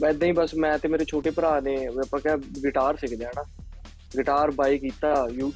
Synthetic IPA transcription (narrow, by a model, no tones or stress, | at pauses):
bɛːd̪aːĩːbəsmɛ̃ːt̪ẽːmeːɾeːt͡ʃʰoːʈeːpəɾaːneːəpãːkɛːɡɪʈaːɾsɪkʰd̪eãːnãː | ɡɪʈaːɾbaːiːkiːt̪aːjuː